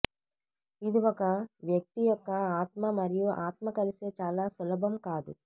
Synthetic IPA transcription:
id̪iɔkɐʋjɐk̚t̪ijɔkːɐaːt̪mɐmɐɾijuʔaːt̪mɐkɐliseːt͡ʃaːlaːsɐlɐbʱɐmkaːd̪ṵ

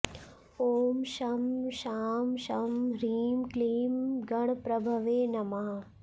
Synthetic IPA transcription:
oːmʃɐmʃaːmʃɐmɾiːmkliːmɡɐɽ̃pɾɐbʱɐʋeːnɐmaː

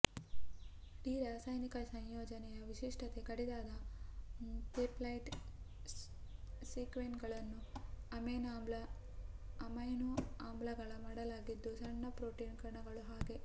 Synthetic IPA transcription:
iːɾaːsajnikɐsɐɲjoːd͡ʒɐnɛjɐʋiʃiʂʈɐt̪e̞kɐɽid̪aːd̪ɐ | t̪eplɐjʈ | siːkʋenɡɐɭɐnːuɐmenaːmblɐ | ɐmɐjnoaːmblɐɡɐɭɐmaːɽɐlaːɡid̪ːusɐɳːɐpɾoːʈiːnkɐɾɳɐɡɐɭuɦaːɡe̞

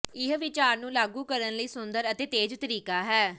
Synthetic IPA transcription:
ɪɦʋɪt͡ʃaːɾnũːlaːɡũːkəɾənləiːsʊnd̪əɾət̪eːt̪eːd͡ʒt̪əɾiːkaːɦɛː

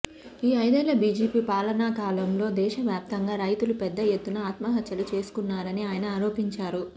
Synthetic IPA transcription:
iːɐjd̪ɛːlɐbiːd͡ʒiːpiːpaːlɐnaːkaːlɐmlo̞ːd̪ɛːʃɐʋjaːp̚t̪ɐŋɡaːɾɐjt̪ulupɛd̪ːɐjet̪ːunɐaːt̪mɐɦɐt̪jɐlut͡ʃe̞ːsu̥kunːaːɾɐniaːjɐnɐaːɾo̞ːpiɲt͡ʃaːɾu

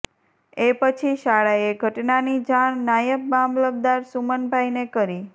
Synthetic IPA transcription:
epət͡ʃʰiʃaɭaeɡʱəʈnanid͡ʒaɳːajəp̚bãmləb̚d̪aɾsumənbʱajinekəɾi

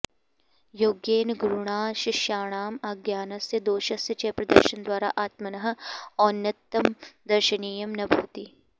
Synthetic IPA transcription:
joːɡjeːnɡɾuɳ̃aːʃɐʃaːɽ̃aːmaːɡjaːnɐsjɐd̪oːʃɐsjɐt͡ʃɐːpɾɐd̪ə̰ɾʃɐnd̪waːɾa̰ʔaːt̪mɐnɐɦɔːɾnjɐt̪ːɐmd̪ɐɾʃɐniːjɐmnɐbʱuːt̪i

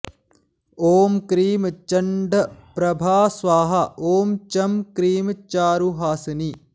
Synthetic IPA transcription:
oːmkɾiːmt͡ʃɐɳɖɐpɾɐbʱaːsʋaːɦɐʔoːmt͡ʃɐmkɾiːmt͡ʃaːɾuɦaːsɐni

